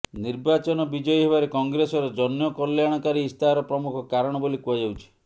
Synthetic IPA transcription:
niɾbat͡ʃɔnɔbid͡ʒɔjiɦebaɾekɔŋɡɾesɔɾɔd͡ʒɔnjɔkɔljaɽ̃ɔkaɾiːst̪ʰaɾɔpɾɔmukʰɔkaɾɔɽ̃ɔbolikuad͡ʒawt͡ʃʰi̥

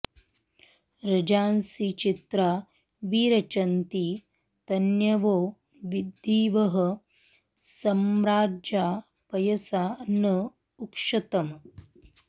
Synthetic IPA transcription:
ɾɐd͡ʒaːnsit͡ʃit̪ɾa | ʋiːɾɐt͡ʃɐnt̪i | t̪ɐnjɐʋoː | ʋid̪ːiːʋɐɦɐ̆ | sɐmɾaːd͡ʒjaː | pɐjɐsaːnɐ | ukʂɐt̪ɐm

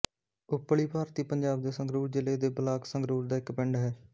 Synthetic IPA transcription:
ʊpːɭiːpaːɾt̪iːpəɲd͡ʒaːb̚d̪eːsəŋɡɾuːɾd͡ʒɪleːd̪eːbəlaːksəŋɡɾuːɾd̪aːɪkpɪɳɖɦɛː

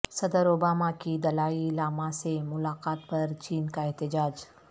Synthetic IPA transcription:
səd̪əɾobamakid̪əlailaːmãsemʊlaqat̪pəɾt͡ɕiːnkaɛɦt̪əd͡ʒaːd͡ʒ

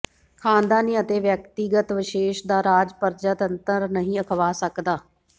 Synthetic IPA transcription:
kʰaːnd̪aːniːət̪eːʋjəkt̪iɡət̪ʋɪʃeːʃd̪aːɾaːd͡ʒpəɾd͡ʒət̪ənt̪əɾnəɦĩːəkʰʋaːsəkd̪aː

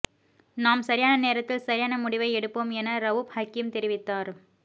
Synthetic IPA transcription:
naːmsɐɾɪjaːnɐneːɾɐt̪ːɪlsɐɾɪjaːnɐmʊɽɪʋɐɪɛɽɯpːoːmɛnɐɾɐʋʊphɐkːɪmt̪ɛɾɪʋɪt̪ːaːɾ

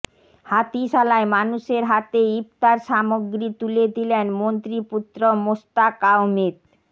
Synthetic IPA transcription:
hat̪iʃalaemanuʃeɾɦat̪eip̚t̪aɾʃamoɡɾit̪uled̪ilenmont̪ɾiput̪ːɾomost̪akawmed̪

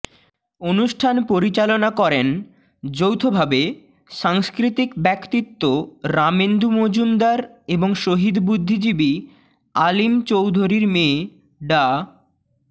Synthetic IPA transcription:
onuʃʈʰanpoɾit͡ɕalonakɔɾen | d͡ʑowt̪ʰobʱabe | ʃaŋskɾit̪ikbɛkt̪it̪ːoɾamend̪ʱumod͡ʑund̪aɾeboŋʃoɦid̪bud̪ʱːid͡ʑibi | alimt͡ɕowd̪ʱoɾiɾmẽː | ɖa

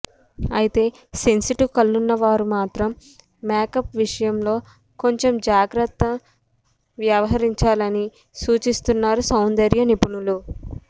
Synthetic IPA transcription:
ɐjit̪e̞ː | se̞nsiʈikɐlːunːɐʋaːɾumaːt̪ɾɐmː | eːkɐpʋiʂɐjɐmlo̞ː | ko̞ɲt͡ʃe̞md͡ʒaːɡɾɐt̪ːɐ | ʋjɐʋɐɦɐɾiɲt͡ʃaːlɐni | suːt͡ʃist̪unːaːɾusɐwnd̪ɐɾjɐnipunulu

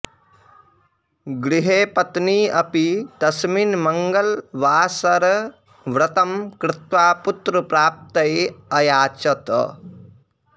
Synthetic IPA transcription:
ɡɾiɦeːpɐt̪niːɐpid̪ɐsminmɐŋɡɐlʋaːsɐɾ | ʋɾɐt̪ɐmkɾɪt̪ʋaːput̪ɾɐpɾaːp̚t̪ɐjɐjaːt͡ʃɐt̪

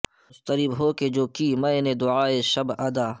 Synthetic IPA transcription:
st̪əɾibɦoːked͡ʒoːkiːmɐ̃ened̪ʊaːeʃɐbɐd̪aː

